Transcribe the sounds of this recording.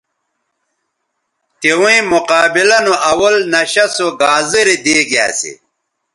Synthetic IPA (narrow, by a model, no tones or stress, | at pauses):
t̪iwĩmuqaːbilɐnuʔɐwɐlnɐɕɐsoɡaːziɾid̪eːɡija̰ːsḭ